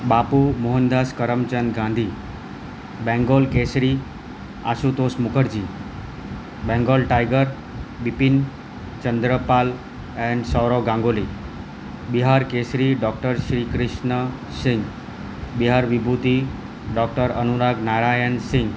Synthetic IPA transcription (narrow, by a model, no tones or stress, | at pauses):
bapumoɦənd̪askəɾəmt͡ɕənd̪ɡãnd̪ʱiː | bɛ̃ŋɡolkesɾi | a̰sut̪osmukəɾd͡ʑiː | bɛ̃ŋɡolʈajɡəɾ | bipin | t͡ɕənd̪ɾəpal | ɛ̃nsɔwɾoɡãŋɡoli | biɦaɾkesɾiɖɔk̚ʈəɾɕɾiːkɾiɕnə | sĩŋɡ | biɦaɾʋibʱut̪i | ɖɔk̚ʈəɾənuɾaɡnaɾajənsĩŋɡ